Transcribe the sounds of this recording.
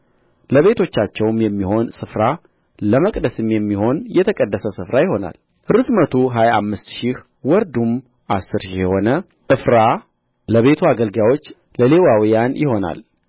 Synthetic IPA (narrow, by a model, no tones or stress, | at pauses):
ləβe̞t̪ʰo̞t͡ʃːat͡ʃːɛwmjɛmːiho̞nsɨfɾa | ləməkʼd̪əsɨmjɛmːiho̞njɛt̪ʰəkʼəd̪ːəsəsɨfɾajɪho̞na̰l | ʔɨɾɨt̪mət̪ʰuɦajaamːɨst̪ʃih | wɔɾd̪um | ʔasːɨɾʃihjɛho̞nə | ʔɨfɾa | ləβe̞t̪ʰuaɡəlɡawo̞t͡ʃː | ləle̞wawijanjɪho̞na̰l